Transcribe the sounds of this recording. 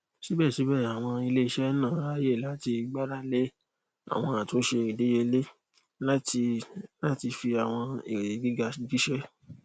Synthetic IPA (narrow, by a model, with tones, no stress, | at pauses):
ʃi˨˦bɛ˦˨ʃi˨˦bɛ˦˨a˨w̃ɔ̃˧i˧le˦i˧ʃɛ˦nãː˦˨a˦je˦˨la˨˦ti˧ɡ͡ba˦ɾa˦le˦ | a̰˨w̃ɔ̃˧a˨to˨˦ʃe˧i˨de˨˦je˧le˦ | la˦ti˧la˦ti˧fi˧a˨w̃ɔ̃˧e˨ɡi˦ɡa˧ɡi˦ʃɛ˦